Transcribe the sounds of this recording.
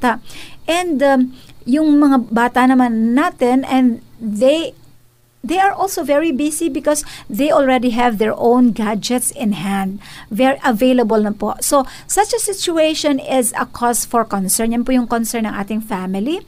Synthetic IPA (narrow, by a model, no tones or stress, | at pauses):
t̪aʔɛ̃nd̪jʊŋmɐŋabaːt̪anɐmanːaːt̪ɛnɛ̃nd̪ðej | ðejɐɹʔɔlsovɛɹibisibɪkɔsðejʔɔlɹɛd̪iɦɛvðɛɹʔõwnɡad͡ʒɛt̪sɪ̃nɦãnd̪̚vɛɹiʔɐvejlɐbɐlnɐposo | sɐt͡ʃɐsɪt͡ʃʊejʃɔnɪzɐ̰kʰɔst̪fɔɹkɔnsɛɹnjɐnpujʊŋkɔnsɛɹnɐŋʔa̰ːt̪ɪŋfamɪli